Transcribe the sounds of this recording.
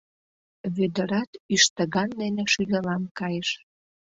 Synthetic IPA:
βød̪ə̆ɾɑt̪yʃt̪əɣɑnːeneʃylʲelɑmkɑjəʃ

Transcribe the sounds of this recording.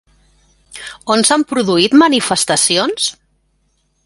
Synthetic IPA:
onsampɾuðuit̪mənifəst̪əsions

